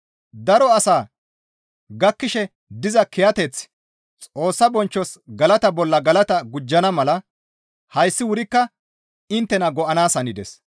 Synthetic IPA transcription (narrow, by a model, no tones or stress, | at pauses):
d̪ɐɾɔɐsaː | ɡɐkːɪʃɛ | d̪ɪzɐkɪjɐt̪ɛt͡s | t͡sʼo̞ːsːɐbɔnt͡ʃːɔsɡɐlɐt̪ɐbɔlːɐɡɐlɐt̪ɐɡʊd͡ʒːɐnɐmɐlɐ | hɐjsːɪwʊɾɪkːɐ | ɪnt̪ːɛnɐɡɔʔɐnaːsɐnɪd̪ɛ̰s